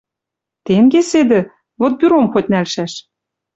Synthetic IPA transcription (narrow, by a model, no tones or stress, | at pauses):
t̪eŋɡesed̪ɘ̆ | βot̪̚byɾomxot̚ʲnælʃæʃ